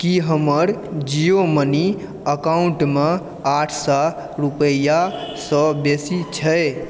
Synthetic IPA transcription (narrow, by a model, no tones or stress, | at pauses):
kiɦəməɾd͡ʒijoməni | əkauɳʈme | aʈʰsa | ɾupəjasɔbesit͡ʃʰə